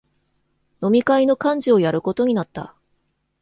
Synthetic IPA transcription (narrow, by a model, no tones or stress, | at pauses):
no̞mʲikaino̞kãɲ̟d͡ʑio̞jaɾɯ̟ko̞t̪o̞ɲ̟inat̪ːa̰